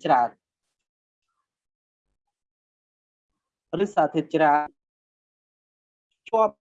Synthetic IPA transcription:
t͡ɕɾaː˧˩n | rɨːsaː˧˩t̪ʰiət̪̚t͡ɕɾaː˧n | t͡ɕu˧əp̚

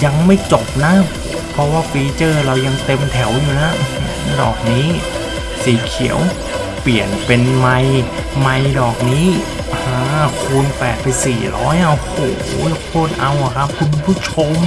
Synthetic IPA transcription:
ja˧ŋma˥˩jt͡ɕo˨˩p̚na˦˥ | pʰɾɔ˦˥waː˥˩fiː˧t͡ɕɤː˥˩ɾa˧wja˧ŋt̪e˧mt̪ʰɛ˩˦wjuː˨˩na˦˥˧dɔ̰ː˨˩k̚niː˦˥ | siː˨˩˦kʰi˨˩˦ə˦w | pli˨˩ənpe˧nma˧j | ma˧jdɔː˨˩k̚niː˦˥ | haː˧˩kʰuː˧npɛː˨˩t̪̚pa˧jsiː˨˩ɾɔ̰ː˦˥ja˧ho̰ː˨˩jkʰoː˥˩t̪̚ʔa˧wʔa˨˩kʰa˦˥p̚kʰu˧npʰu˥˩t͡ɕʰo˧m

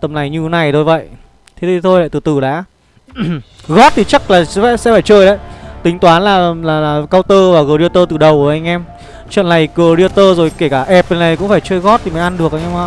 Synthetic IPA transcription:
t̪ə˨˩mna˨˩jɲɨ˧˨˦na˨˩jt̪ʰo˧˩jvə̰˧˨jʔ | t̪ʰe˨˦˨t̪ʰo˧jla̰˧˨t̪ɨ˨˩t̪ɨ˨˩la̰ː˨˦˥ | ɣɔ˦˥t̚t̪ʰi˨˩t͡ɕa˦˥k̚laː˨˩˧ɛ˧˥sɛ̰˧˥faː˧˩jt͡ɕəː˧jɗə̰˧˥˦jt̪ï˨˦ŋ̟t̪waː˨˦nlaː˨˩laː˨˩laː˨˩kaː˧wt̪əː˧vaː˨˩ɣəː˨˩ɗi˧ət̪əː˧t̪ɨ˨˩ɗə˨˩wʔa˧jŋ̟ʔɛ˧m | t͡ɕwə̰˧˨nːa˨˩jɣəː˨˩ɗi˧ət̪əː˧zo˨˩jke˧˩kaː˧˩ʔɛ˦˩p̚ə˨˧˩na˨˩jkʊ̰˧˥ŋ͡mfaː˧˩jt͡ɕəː˧jɣɔ˦˥t̚t̪ʰi˨˩ma˨˦ŋʔa˧nɗɨ˨˩ək̚a˧jŋʔɛ˧ma˧˦

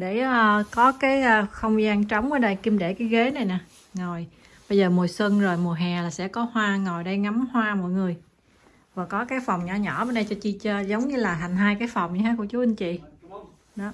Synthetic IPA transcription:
ɗe˧˩əː˧kɔ˨˦kaː˨˦jʔəː˧xə˧wŋ͡mi˧aː˧ŋt͡ɕɔ˨˦wŋ͡mʔəː˨˦ɗaː˧˩jki˧mɗe˧˩kaː˨˦jɣe˨˦na˨˩jnaː˨˩ | ŋo˨˩j | ɓə˧jzəː˨˩mu˨˩əswə˧nzo˨˩jmu˨˩ɦɛː˨˩laː˨˩sɛ̰˧˥kɔ˨˦hwaː˧ŋo˨˩jɗə˧jŋa˨˦mhwaː˧mɔ̰˧˥˨jŋɨ˨˩əj | vaː˨˩kɔ˨˦kaː˨˦jfɔ˨˩wŋ͡mɲɔ̰˧˩ɲɔ̰˧˩məː˨˧˦nɗə˧jt͡ɕɔ˧t͡ɕi˧t͡ɕə˧zə˨˦wŋ͡mɲɨ˧laː˨˩ɦa˨˩ŋ̟ɦaː˧jkaː˨˦jfɔ˨˩wŋ͡mɲi˧˩haː˨˦kṵ˧˩ət͡ɕu˨˦ʔi˧ŋ̟t͡ɕḭ˧˨ | ɗɔ˨˦

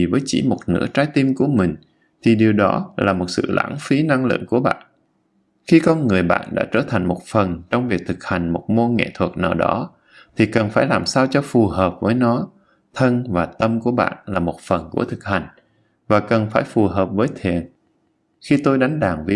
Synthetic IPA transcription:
i˨˩vəː˨˦jt͡ɕḭ˧˩mo˨˩t̚nɨ̰˧˥ət͡ɕaː˨˦jt̪i˧mku˧˩əmï˨˩ŋ̟ | t̪ʰi˨˩ɗi˨˩əwɗɔ˨˦laː˨˩mo˨˩t̚sɨ̰˧˨lʔa̰ː˧˥nfi˨˦na˧ŋlɨ̰˧˨əŋku˧˩əɓa̰ː˧˨n | xi˧kɔ˧nŋɨ˨˩əjɓa̰ː˧˨nɗa̰ː˧˥t͡ɕəː˧˩t̪ʰa˨˩ŋ̟mo˨˩t̚fə˨˩nt͡ɕɔ˧wŋ͡mvi˨˩ək̚t̪ʰɨ˨˩k̚ha˨˩jŋ̟mo˨˩t̚mo˧ŋɛ̰˧˨t̪ʰwə˨˩t̚naː˨˩wɗɔ˨˦ | t̪ʰi˨˩kə˨˩nfaː˧˩jlaː˨˩msaː˧wt͡ɕɔ˧fu˨˩ɦəː˨˩p̚vəː˨˦jnɔ˨˦ | t̪ʰə˧nvaː˨˩t̪ə˧mku˧˩əɓa̰ː˧˨nlaː˨˩mo˨˩t̚fə˨˩nku˧˩ət̪ʰɨ˨˩k̚ha˨˩jŋ̟ | vaː˨˩kə˨˩nfaː˧˩jfu˨˩ɦəː˨˩p̚vəː˨˦jt̪ʰi˨˩ən | xi˧t̪o˧jɗa˨˦jŋ̟ɗaː˨˩ŋvi˧˥

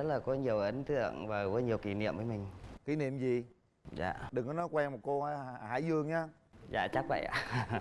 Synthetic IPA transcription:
ə˦˥t̚laː˨˩kɔ˨˦ɲi˨˩əwʔə˨˦ŋ̟t̪ɨ̰˧˨əŋvaː˨˩kɔ˨˦ɲi˨˩əwki˨˩nḭ˧əmvəː˨˦jmï˨˩ŋ̟ki˨˦nḭ˧˨əmzi˨˩ | za̰ː˧˨ɗɨ˨˩ŋkɔ˨˦nɔ˨˦jkwɛː˧ŋm̚˨˩ko˧˦˨ha̰˧˥jzɨ˨˧˩əŋɲaː˧ | za̰ː˧˨t͡ɕa˦˥k̚və̰˧˨jʔa̰ː˧˨˩

